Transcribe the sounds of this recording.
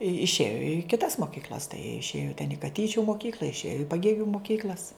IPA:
ɪʃʲˈeːjoː ɪ kʲɪˈtɐs moːˈkʲiːklʲɐs tɐɪ jiɛ ɪʃʲˈeːjoː tʲɛn ɪ kɐˈtʲiːt͡ʃʲʊ moːˈkʲiːklʲɐ ɪʃʲˈeːjoː ɪ pɐˈɡʲeːɡʲʊ moːˈkʲiːklʲɐs

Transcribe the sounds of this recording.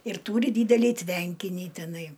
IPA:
ɪr ˈtuːrʲɪ ˈdʲiːdʲɛlʲiː ˈtʲʋʲɛŋʲkʲɪnʲiː tʲɪˈnɐɪ

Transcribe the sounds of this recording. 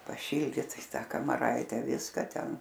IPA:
pɐˈʃʲiːlʲdʲiːt ɪ ˈtɑː kɐmɐˈrɐɪtʲɛ ˈʋʲɪskɐ ˈtʲɛn

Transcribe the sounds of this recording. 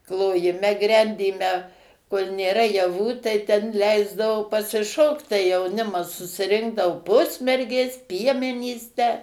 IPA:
klˠoːjɪˈmʲɛ ˈɡrʲɛnʲdʲiːmʲɛ koːlʲ nʲeːˈrɐ jɛˈʋuː tɐɪ ˈtʲɛn ˈlʲɛɪzdɐʋoː pɐsʲɪˈʃoːkt tɐɪ jɛʊˈnʲɪmɐs sʊsʲɪˈrʲɪŋɡdɐoː ˈpʊsʲmʲɛrʲɡʲeːs ˈpʲiɛmʲɛnʲiːs tʲæː

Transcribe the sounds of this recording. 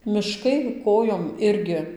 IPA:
mʲɪˈʃkɐɪ ˈkoːjoːm ˈɪrʲɡʲɪ

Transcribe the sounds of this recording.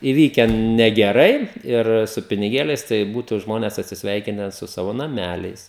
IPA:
iːˈʋʲiːkʲɛn nʲɛɡʲɛˈrɐɪ ɪr sʊ pʲɪnʲɪˈɡʲeːlʲɛɪs tɐɪ ˈbuːtʊ ˈʒmoːnʲɛs ɐtʲsʲɪsʲˈʋʲɛɪkʲɪnʲɛ sʊ ˈsɑːʋoː nɐˈmʲælʲɛɪs

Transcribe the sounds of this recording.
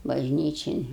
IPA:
bɐʒʲˈnʲiːt͡ʃʲɪn

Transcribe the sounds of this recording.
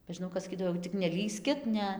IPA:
bʲɛ ʒʲɪˈnɐʊ kɐs sɐˈkʲiːdɐʋoː jɛʊ tʲɪk nʲɛˈlʲiːsʲkʲɪt ˈnʲɛ

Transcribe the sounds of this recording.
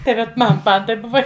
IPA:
tɐɪ ˈʋɐt ˈmɐn ˈmɐn tɐɪp ˈbʊʋɐ

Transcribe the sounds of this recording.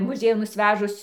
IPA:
ˈmʊˈzʲiɛjʊn nʊsʲˈʋʲæːʒʊs

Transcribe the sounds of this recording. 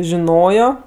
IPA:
ʒʲɪˈnoːjoː

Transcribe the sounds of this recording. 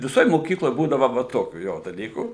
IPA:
ʋʲɪˈsoːj moːˈkʲiːklˠoːj ˈbuːdɐʋɐ ʋɐ ˈtoːkʲuː ˈjoː dɐˈlʲiːkuː

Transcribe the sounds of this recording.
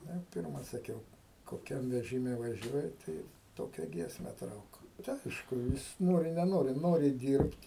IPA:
ˈnʊ ɪ ˈpʲɪrmɐ sɐˈkʲɛʊ koːˈkʲɛm ʋʲɛʒʲɪˈmʲɛ ʋɐˈʒʲuɔjɪ ˈtɐɪ ˈtoːkʲɛ ˈɡʲiɛsʲmʲɛ ˈtrɐʊk tɐɪ ˈɐɪʃkʊ ˈjɪs ˈnoːrʲɪ nʲɛˈnoːrʲɪ ˈnoːrʲɪ ˈdʲiːrʲpʲtʲ

